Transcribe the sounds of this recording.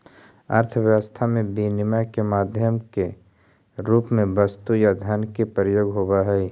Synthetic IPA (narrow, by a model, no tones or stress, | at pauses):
ə̰ɾt̪ʰəʋjəwəst̪ʰamẽbinɪmakemaːd̪ʱjəmke | ɾuːpmẽbəst̪ujad̪ʱənkepɾəjoːɡɦoːbaɦɛi